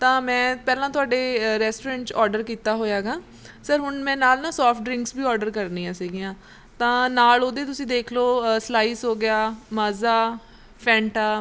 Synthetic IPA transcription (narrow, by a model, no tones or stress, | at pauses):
t̪ãːmɛ̃ːpɛːlãːt̪ʊaːɖeːɾɛːsʈoːɾɛ̃ːɳʈt͡ʃɔːɾɖəɾkiːt̪aːɦoːjaːɡaː | səɾɦʊnmɛ̃ːnaːlnãːsɔːpʰʈɖɾɪ̃ŋksbiːɔːɾɖəɾkəɾniːãːsiːɡɪjãː | t̪ãːnaːloːd̪eːt̪ʊsĩːd̪eːkʰloːslaːiːsɦoːɡɪjaːmaːzaː | pʰɛ̃ːɳʈaː